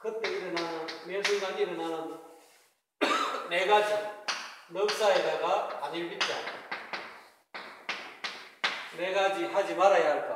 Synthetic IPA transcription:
kʰɯt̪ːeiɾɯnanɯnmesɯŋɡadiɾɯnanɯn | neɡad͡ʑi | nɯk̚saɦed̪aɡaaniɾbitda | neɡad͡ʑiɦad͡ʑimaɾajaɾka

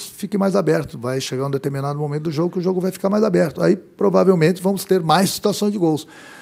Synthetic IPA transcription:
sfikẽmajzabɛɾt̪ʊ̥vajʃeɡaũd̪et̪eɾminad̪ʊmõmẽt̪ʊd̪ʊʒoɡʊkɪʊʒoɡʊvajfi̥kaɾmajzabɛɾt̪ʊaipɾovavewmẽnt͡ʃ̪ɪvɐ̃mʊst̪eɾmajssːi̥t̪uasɐ̃j̃zd͡ʒɪɡows

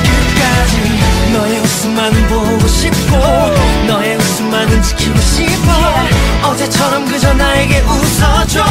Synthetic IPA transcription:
kɯk͈ad͡ʑinʌjeusɯmmːanɯnbo | ɕip̚k͈onʌjeus͈ɯmmanɯnt͡ɕʰɯ̥kʰiɕipʰʌʌd͡ʑet͡ɕʰʌɾʌmɡɯd͡ʑʌnaeɡeʔusʰʌd͡ʑɔ

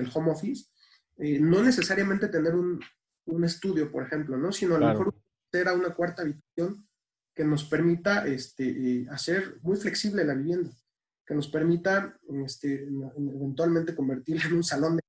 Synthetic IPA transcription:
elxo̞mo̞fis | eno̞ne̞s̬e̞saɾjamẽnt̪e̞t̪e̞ne̞ɾun | unest̪uðjo̞po̞ɾe̞xe̞mplo̞no̞sino̞alomexoɾ | se̞ɾaunakwaɾt̪aːβit̪ḁsjo̞ŋ | ke̞no̞spe̞ɾmit̪aʔest̪eʔase̞ɾmujfle̞ksiβle̞laβiβje̞nd̪a | ke̞no̞spe̞ɾmit̪aest̪eeβe̞nt̪walmẽnt̪e̞ko̞mbe̞ɾt̪iɾlaenũnsalo̞n

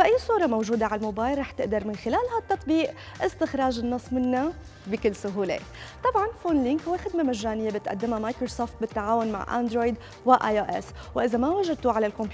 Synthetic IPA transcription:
fʔajːsˤuːɾˤɑmowʒuːd̪aʕalmoːbaːjlɾˤɑːħt̪ɪʔd̪ɑɾˤmɪnxɪlaːlhat̪ːɑt̪ˤbiːʔ | ʔɪst̪ɪxɾˤɑːʒɪnːɨsˤːmɪnːa | bɪkɪlːsʊɦuːlḛ | t̪ˤɑbʕɑnfoːnlɪŋkhʊwexɪd̪mamaʒːaːnɪjːabɪt̪ʔa̰d̪ːɪmamajkɾosoːft̪̚bɪt̪ːaʕaːwʊnma̰ʕʔa̰nd̪ɾoːjd̪ | wɪʔaːjoʔɛ̰swʔɪzamawaʒad̪̚t̪uʕalalkɔmp

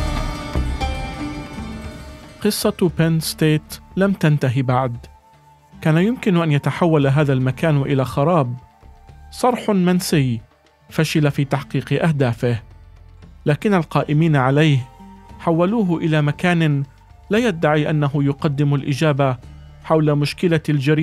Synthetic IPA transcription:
qɨsˤːɑpanst̪eːt̪lamt̪ant̪aɦibaʕd̪ | kaːnajʊmkɪnʔanjat̪aħawːalaɦaːðalmakaːnʔɪlaːxɑɾˤɑːb | sˤɑɾˤħʊmansɪj | faʃɪlafiːt̪aħqiːqɨʔahd̪aːfɪh | laːkɪnːalqɑːʔɪmiːnaʕalajhħawːaluːɦʊʔɪlaːmakaːnɪ | laːjad̪ːaʕiːʔanːaɦʊjʊqɑd̪ːɪmalʔɪd͡ʒaːba | ħawlamʊʃkɪlald͡ʒaɾiː

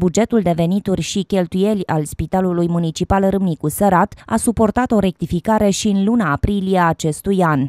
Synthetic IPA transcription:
bud͡ʒe̞t̪uld̪e̞ve̞nit̪urʲʃikʲe̞lt̪uje̞lʲa̰lspit̪alulujmunit͡ʃipalɾɨmnikusəɾat̪a̰supo̞rt̪at̪o̞ɾe̞k̚t̪ifikaɾe̞ʃiɨnlunaːpɾilieːt͡ʃe̞st̪ujanʲ

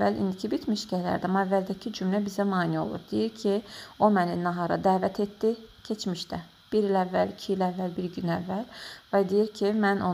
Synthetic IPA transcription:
ælḭnd̪icʰibit̪ʰmiʃcæhlæ̰ɾd̪æmoævːæld̪æcʰid͡ʒymlæbizæmɑːnio̰lˠṵɾd̪̥ijiɾcʰio̞mæninɑɦɑɾɑ̰d̪æːvæt̪ʰet̪ːicʰe̞t͡ʃʰmiʃd̪æ | b̥iɾilævːælicʰiilævːælbiɾɟynævːælvæd̪ijiɾcʰimæno

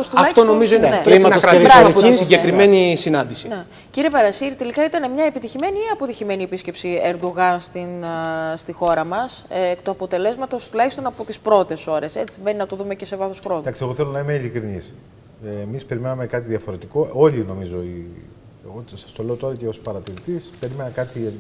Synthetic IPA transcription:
ost̪ulɐft̪o̞no̞mizoineneimɐɐokɾɐɾɐpoisiɟe̞kɾime̞nisinɐnd̪isine | ciɾiepɐɾɐsiɾit̪e̞likɐit̪ɐnemɲɐepit̪içime̞niɐpo̞t̪içime̞niepisce̞psieɾd̪oɣɐnst̪inst̪ixo̞ɾɐmɐst̪oɐpo̞t̪e̞le̞zmɐt̪o̞st̪ulɐçist̪o̞nɐpo̞t̪ispɾo̞t̪e̞so̞ɾe̞se̞t͡simbe̞ninɐt̪oðume̞ce̞se̞vɐθoskɾod̪ɐksieɣo̞θelonɐimeilikɾinisː | mispe̞ɾime̞nɐmekɐt̪iðiɐfo̞ɾe̞t̪iko̞o̞ʎino̞mizo̞i | eɣosɐ̥st̪o̞le̞ot̪o̞ɾɐceo̞spɐɾɐt̪iɾit̪ispe̞ɾime̞nɐkɐt̪i

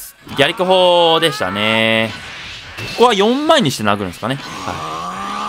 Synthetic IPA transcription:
ɡʲaɾʲikʲoɦod̪e̞ɕi̥t̪a̰ne̞ | koko̞βajõ̞mːaeɲ̟ːiɕi̥t̪e̞naɡɯɯ̃sɨ̥kane̞ha̰ḭ

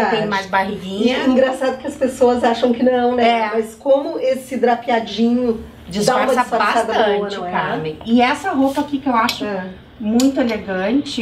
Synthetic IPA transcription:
ẽmajzbaɦiɡĩɲɐĩɡɾasad̪ʊkɪɐspesoɐzaʃɐ̃w̃kɪnɐ̃w̃nɛɛmɐskõmʊesɪd̪ɾapiad͡ʒĩɲʊ | d͡ʒɪd̪aũmɐd͡ʒaɪsfasad̪ɐ̃ɐʊkamẽɪɛsɐɦopɐakikɪewaʃʊ | mũj̃t̪ʊeleɡɐ̃nt͡ʃɪ

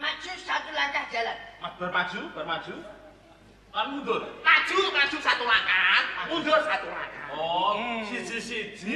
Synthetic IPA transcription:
mḁt͡ʃusat̪ulaɲt͡ʃahd̥d͡ʒalanmab̥ərmḁd͡ʒ̥ub̥ə̤rmḁd͡ʒ̥u | lanund̪orkḁd͡ʒ̥ukḁd͡ʒ̥usat̪ulakanud̪orsat̪ula̰kaɔsisisid͡ʒi

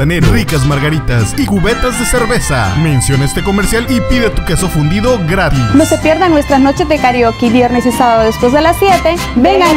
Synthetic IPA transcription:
enerikazmaɾɣaɾit̪asikuβet̪azðe̞se̞ɾβe̞sa̰mẽnsjo̞nest̪eko̞meɾsjalipiðet̪ukesofund̪iðo̞ɣɾat̪inosepjeɾðaŋnwest̪ɾasno̞t͡ʃezðekaɾjokiβjeɾnesisaβaðoðespwe̞zðe̞lasːjet̪e | beŋɡa

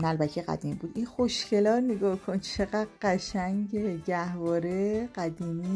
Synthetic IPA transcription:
nælbæcʰeɣæ̰d̪iːmbuːd̪inxoʃcʰe̞lɒːtneɡɒːkʰont͡ʃʰe̞ɣæd̪ɢæʃæŋɟeɟæhvɒːɾeɢæd̪iːmiː

